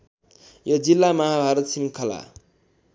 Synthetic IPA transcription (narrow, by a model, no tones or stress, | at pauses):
jʌd͡zilːamʌɦabʱaɾət̪simkʰʌla̰